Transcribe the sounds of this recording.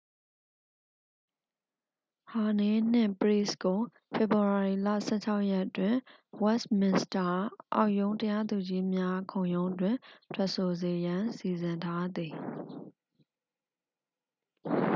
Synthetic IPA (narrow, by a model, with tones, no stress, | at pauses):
ha˨ne˨n̥ɪ̰̃˦˨pəɹḭ˦˨sko˨ | fʰe˨bu˨a˨ɹi˨la̰˦˨sɛ̰˦˨t͡ɕʰa˦ʊʔjɛ˦ʔtwɪ̃˦˨wɛ˦smɪ̃˨nsta˨ʔa̰˦˨ʊʔjõ˦ʊ̃ntəja˦d̪u˨d͡ʑi˦mja˦kʰõ˨ʊ̃jõ˦ʊ̃ndwɪ̃˨tʰwɛ˦ʔso˨ze˨jã˦nsi˨zɪ̃˨ntʰa˦d̪i˨